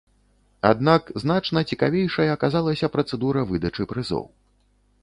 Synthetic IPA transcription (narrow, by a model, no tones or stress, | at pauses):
a̰d̪nakznat͡ʂnɐt͡sʲikavʲejʂɐjɐːkazalˠɐsʲɐpɾɐt̪sɛd̪uɾɐvɨd̪ɐt͡ʂɨpɾɨzɔ̰w